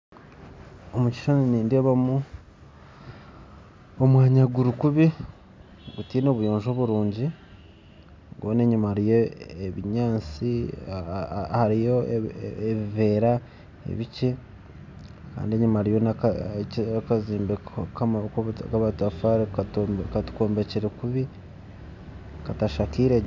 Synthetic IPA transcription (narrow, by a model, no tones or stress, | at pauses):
omuci̥ʃoniniːndeːβamu | omwaːɲaɡuɾukuβi | ɡutiːno̞ːβujo̞ːɲʒo̞βuɾuːɲɟi | ɡoːne̞ɲumaɾije̞eβiɲaːt͡si | haɾijo̞eβive̞ːɾa | ḛβice | ka̰ːndie̞ɲumaɾijo̞nak | kaziːmbekakkaβatafaɾkatu̥koːmbe̞ceɾekuβi | kataʃakiːɾe